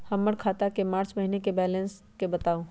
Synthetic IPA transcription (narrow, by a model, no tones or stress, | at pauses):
həmːəɽkʰaːt̪akemaːɾt͡ʃməɦinekebɛːlẽns | kebət̪aːũ